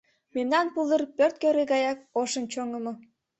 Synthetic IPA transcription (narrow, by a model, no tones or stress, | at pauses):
memnɑnpulˠərpørt̪̚køɾeɡɑjɑk̚oʃɤ̆nt͡ɕoŋɤ̆mɤ̆